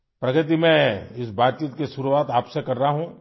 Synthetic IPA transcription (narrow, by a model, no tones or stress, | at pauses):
pɾɐɡət̪̬imɛ̃ɪsbaːt̪̚t͡ʃiːt̪keʃʊɾuaːt̪aːpsekɐɾːɐaɦũː